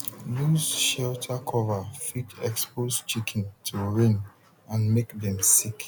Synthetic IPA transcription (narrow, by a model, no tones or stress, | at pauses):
luzʃɛltʰakʰɔvafitɛkspost͡ʃikʰɛ̃ntʰuɹẽn | ãnmekdɛ̃msik